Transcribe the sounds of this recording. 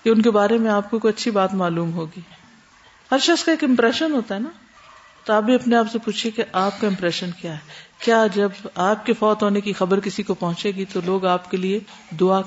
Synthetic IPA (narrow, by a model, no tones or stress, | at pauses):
jeʊnkebaːɾemẽaːp̚kokojɐtːʃʰibaːt̪maːluːmɦoːɡiː | hɐɾʃɐɡskaeːkɪ̃mpɾɛːʃənɦoːt̪aɦɛna | t̪oaːp̚bʱiɐpneaːpsepuːt͡ʃʰekeʔaːp̚kaɪ̃mpɾɛːʃənkjaːɦɛːkjaːd͡ʒɐbaːp̚kefɔːt̪ɦoːnekixɐbəɾkɪsikopɐɦʊ̃t͡ʃeːɡit̪oloːɡaːpkelie | d̪ʊa